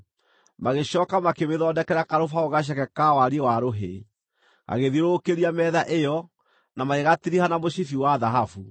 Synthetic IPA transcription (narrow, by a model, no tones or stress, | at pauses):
maɣeɕɔːkamakeweðɔːndɛkɛɾakaɾofaoɣaɕ̬ɛkɛkawaɾiwaɾoɦḛ | a̰ɣeðiɾokeɾiamɛðaʔejɔ | namaeɣatiɾihanamoɕifiwaðaɦafu